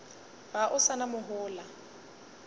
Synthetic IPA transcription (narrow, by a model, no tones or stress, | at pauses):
b̥aʔʊsanamʊɦʊːla